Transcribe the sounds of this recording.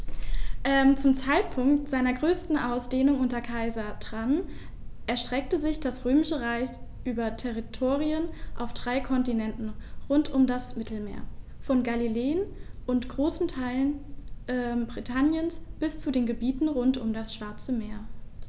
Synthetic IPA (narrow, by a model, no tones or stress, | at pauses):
ʔɛmt͡sʊmt͡saɪt̚pʰʊŋktz̥aɪnɐɡʁøːstn̩ʔaʊsd̥eːnʊŋʔʊntɐkʰaɪzɐdʁ̥an | ʔɛɐʃtʁ̥ɛk̚təzɪçd̥asʁøːmɪʃəʁaɪsʔyːbɐtʰɛʁitʰoːʁiənʔaʊfd̥ʁaɪkʰɔntinɛntn̩ʁʊntʰʊmdasmɪtl̩mḛːɐ | fɔnɡalileːənʔʊntɡ̥ʁoːsn̩tʰaɪlənʔɛmbʁitʰanjənsb̥ɪst͡sudeːnɡəbiːtn̩ʁʊntʊmdasʃv̥aɐt͡səmeːɐ